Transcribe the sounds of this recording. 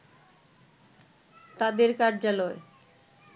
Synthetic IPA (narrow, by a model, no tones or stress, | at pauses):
t̪ad̪eɾkaɾd͡ʑaloe